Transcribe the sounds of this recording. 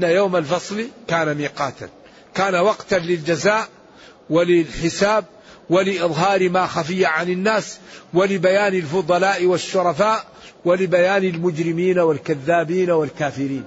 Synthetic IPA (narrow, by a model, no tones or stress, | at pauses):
nːajoːmalfɑsˤlikaːnamiːqɑːt̪a̰n | kaːnawɑɡt̪anlɪld͡ʒazaːʔ | wɪlɪlħɪsaːb̚ | wɪlɪʔɪɨðˤɦɑːɾmaxafɪjːaʕanɪnːaːswɪlɪbajaːnɪlfʊd̪ˤɑlaːʔiwaʃːʊɾˤɑfaːʔ | wɪlɪbajaːnɪlmʊd͡ʒɾɪmiːnawalkaðːaːbiːnawalkaːfɪɾiːn